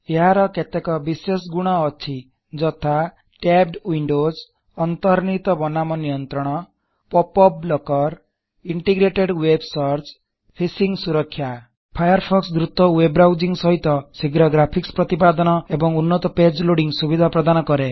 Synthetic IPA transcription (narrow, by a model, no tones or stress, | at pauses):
eɦaɾɔket̪ekɔbisesɡuɽ̃ɔːt͡ʃʰi | d͡ʒɔt̪ʰa | ʈeb̚ɖwiɳɖoz | ɔnt̪ɔɾnit̪ɔbɔnamɔnijɔnt̪ɾɔɽ̃ɔ | pɔpɔblɔkɔɾ | iɳʈiɡɾeʈeɖwebsɔɾt͡ʃ | pʰisiŋsuɾɔkʰːja | pʰajɔɾpʰɔksd̪ɾut̪ɔwebɾawd͡ʒiŋsɔɦit̪ɔsiɡɾɔɡɾapʰikspɾɔt̪ipad̪ɔnɔebɔŋunːɔt̪ɔped͡ʒloɽiŋsubid̪ʱapɾɔd̪anɔkɔɾe